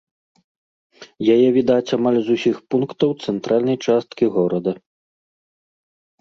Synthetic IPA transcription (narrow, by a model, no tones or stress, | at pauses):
jajɛvʲid̪at͡sʲamalʲzusʲixpunkt̪ɐwt̪sɛnt̪ɾalʲnɐjt͡ʂast̪kʲiɣɔɾɐd̪ɐ